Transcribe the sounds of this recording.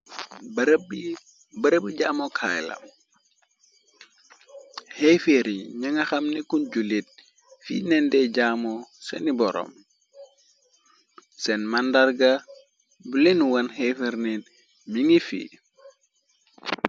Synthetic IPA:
b | bəɾəbiɟamɔkʰa̰jlɐ̰m | hejfeɾiɲaŋɐxɐmnikunɟulit̚ | fḭnɛndɛɟamɔsɛ̰nibɔɾɔ̰m | sɛnmandarɡa | bulenuwɐnhefeɾnin | miŋifḭ

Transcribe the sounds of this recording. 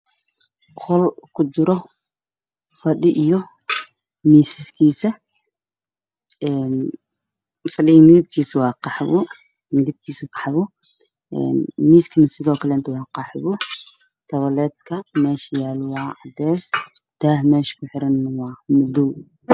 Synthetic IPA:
qʰɔlkʰʊt͡ʃɪɾɔ | fɐɗɪʔijɔ | miːsɪskʰiːsɐ | ʔɛn | fɐɗɪɣimɪðɪb̚kʰiːswɑːqɑħβʊ | mɪðɪb̚kʰiːsʊqɑ̥ħβʊ | ʔɛ̰nmiːskʰɐnɐsɪðɔːkʰɐlɛnt̪ʰɐwɑːqɑħβʊ | t̪ʰɐβɐlɛːd̪̚kʰɐmɛːʃɐjaːlʊwɑːʕɑd̪ɛːsd̪̥aːhmɛːʃkʰʊħɪɾɐnːɐwɑːmʊd̪ʊw

